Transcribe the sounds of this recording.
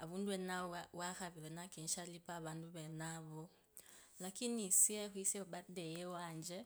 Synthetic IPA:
aβuːnduwenawaxaβiɾenakiːnʃalipaβaːnduβenaβo | lakinisiexwiseβadejewaːɲd͡ʒe

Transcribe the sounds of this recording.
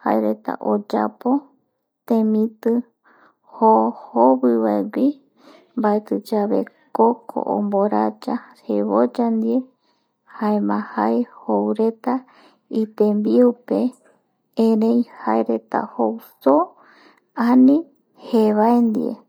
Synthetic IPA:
ha̰eɾe̞t̪a̰ʔod͡ʒa̰po̞ | t̪ẽmĩt̪ɨ | hohoβɨβaeɡʷi | mbaet̪ɨd͡ʒaβe̞̰kokʰo̰ʔo̰mboɾad͡ʒaɾeβod͡ʒand̪ie | haemãhaehowɾe̞t̪a | it̪embiupe̞ | ẽɾẽj̃haeɾe̞t̪a̰howso | anĩ | heβaend̪ḭḛ

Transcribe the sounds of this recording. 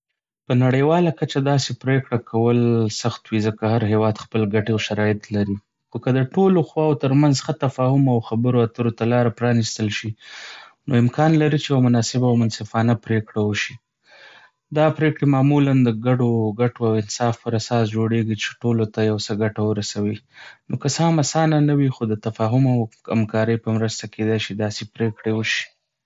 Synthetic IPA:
pənaɽəjwɑlakat͡ʃad̪ɑsepɾekɽakʰawəlsaxt̪wizəkahaɾɦewɑd̪xpəlɡaʈeawʃaɾɑjɪt̪laɾi | xokəd̪əʈoloxwɑwot̪əɾmanzxat̪afɑhʊmawxabəɾoat̪əɾot̪alɑɾapɾɑnist̪əlʃi | noɪmkɑnlaɾit͡ʃejawmʊnɑsɪbawmʊnsɪfɑnapɾekɽawəʃi | d̪ɑpɾekɽemɑmuland̪əɡaɖoɡaʈoawɪnsɑfpəɾasɑsd͡ʒoɽeɡit͡ʃe̥ʈolot̪ajawsəɡaʈawəɾasawinokəsəhamasɑnanawixod̪ət̪afɑɦʊmawa̰mkɑɾəjpəmɾəst̪akʰed̪ajʃid̪ɑsepɾekɽewəʃi̥

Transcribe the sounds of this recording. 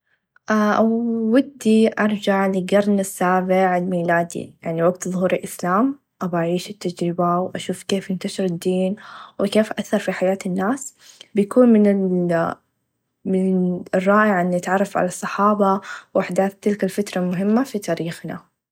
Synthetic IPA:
ʔawɪd̪ːiʔɑɾˤd͡ʒaʕlɪɡɑɾˤnɪsːaːbɪʕɪlmiːlaːd̪ḭjaʕniwaɡt̪ðˤhuːɾɪlʔɪslaːm | ʔabaʔaʕiːʃɪt̪ːad͡ʒɾɪbawʔaʃuːfkeːfjɪnt̪aʃɪɾɪd̪ːiːnwɪkeːfʔaθːɑɾˤfiħajaːt̪ɪnːaːs | bɪjakuːnmɪnɪ | mɪnrˤːɑːʔɪʕʔɪnːɪt̪ʕɑrˤːɑfʕa̰lɑsˤːɑħɑːbɑwaħd̪aːθt̪ːɪlkalfat̪ɾˤɑlmʊɦɪmːafit̪aːɾiːxna̰

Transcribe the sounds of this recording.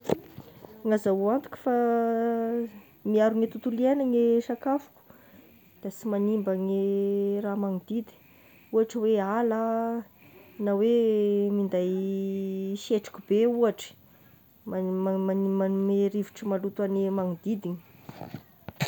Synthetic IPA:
ŋazauant̪u̥kʲu̥fa | miaɾuŋet̪ut̪ulienaŋeʂakafu̥ku̥ | d̪̥asimanimbaŋeramaŋid̪id̪i̥ | uaʈ͡ʂəweala | nawemind̪aj | ʃeʈ͡ʂi̥kʲubeuaʈ͡ʂə̥ | mamameɾiviʈ͡ʂəmalut̪wanimaŋid̪id̪iɲ

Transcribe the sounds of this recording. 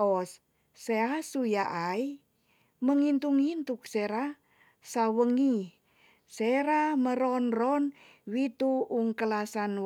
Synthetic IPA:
ɔs | seasujaʔai | məŋint̪uŋint̪ukseɾa | sawəŋi | seɾaməɾɔnrɔn | wit̪uːŋkəlasan

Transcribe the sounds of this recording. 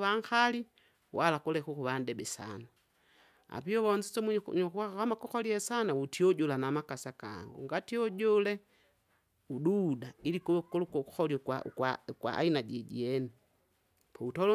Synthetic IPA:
aŋxali | wʔalakulɛkukuβandɛbɛsa̰na | a̰piɔβɔɲd͡ʒisɔmuɲɔkuaakamakuxɔliɛsanautiɔɟɔlanamakasaka̰ŋɡṵŋɡatiɔɟɔlɛ | ududailikukulkxɔliɔkwakwakwa̰a̰inaɟɛɟḭɛni | pɔutɔlɔ

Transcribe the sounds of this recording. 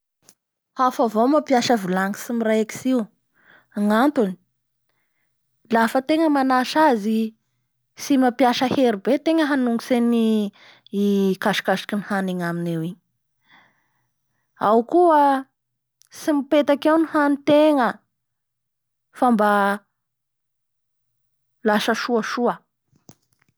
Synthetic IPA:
hafavomapjaʃəvilaŋisimiɾajaki̥siw | aŋant̪uni̥ | lafət̪eŋəmanaʃazi | simapjaʃəheɾibet̪eŋəɦanuŋɡuseni | kaʃi̥kaʃi̥kinihaneɲaminewiɲ | awkuə | simipet̪akewnihanit̪eŋə | famba | laʃəʃuəʃuə

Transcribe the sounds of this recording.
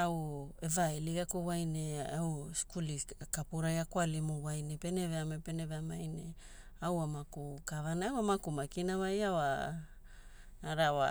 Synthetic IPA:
awevaeliɡakowajneawskulikapuɾajakwalimowajnepe̞neveamepeneveamajne | awamakukavanaawamakumakinavajawa | aɾawa̰

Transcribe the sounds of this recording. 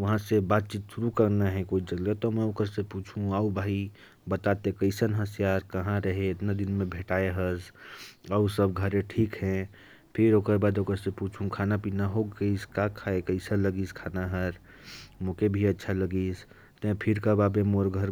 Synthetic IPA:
ʋɐɦãsebaːt̪̚t͡ʃiːt̪suɾukəɾnaɦɛ̃koːid͡ʒəɡlet̪ɔmɛ̃oːkəɾsepuːt͡ʃʰũaːubʱaːi | bət̪at̪ekəɪsənɦəsjaːɾkəɦãɾəɦeet̪nad̪ɪnmẽbʱeːʈaːeɦəsaːusəb̚ɡʱəɾẽʈʰiːkɦɛ̃ | pʰɪɾoːkəɾbaːd̪oːkəɾsepuːt͡ʃʰũkʰaːnapinaɦoɡəiskakʰaːekəɪsələɡiːskʰaːnaɦəɾ | mõːkebʱiətːʃʰaləɡiːs | t̪ẽpʰɪɾkabaːbemoɾɡʱəɾ

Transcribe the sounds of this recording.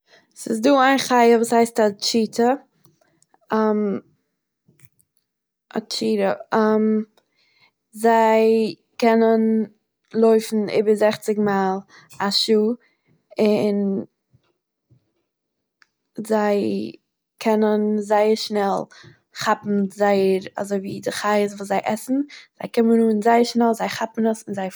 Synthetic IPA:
sɪsduːaɪnχaɪəvuːshaɪstat͡ʃiːtʰə | am | a̰t͡ʃiːɾəam | zaɪ | kɛnən | lˠoɪfn̩ɪ̰ːbəzɛχt͡sɪɡmaːlˠ | aʃuː | ɪn | zaɪ | kʰɛnənzaɪəɾʃnɛlˠ | χapm̩zaɪəɾa̰zoɪviːdɪχaɪəsvuːs̬zaɪʔɛsn̩z̥aɪkɪmənuːnzaɪəɾʃnɛlˠzaɪχapn̩əsɪnzaɪ

